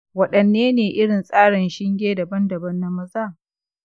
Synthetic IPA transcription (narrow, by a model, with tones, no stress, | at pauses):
wɐ˦ɗɐ˨nːeː˦neː˨ʔɪ˦ɽɪ˨nsʼaː˦ɽɪ˨nʃɪ˦ŋɡʲeː˦dɐ˨bɐ˦ndɐ˨bɐ˦nːa˦mɐ˦zaː˦˨